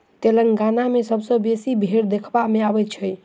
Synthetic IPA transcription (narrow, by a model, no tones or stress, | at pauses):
t̪eləŋɡanamesəbsə̃besibʱeɾd̪ekʰbameabɛt̪̚t͡ʃʰəj